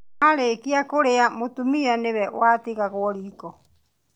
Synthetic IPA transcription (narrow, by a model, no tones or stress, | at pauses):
aɾekiakoɾeamut̪umianɛβɛʔo̰at̪ikakoɾiko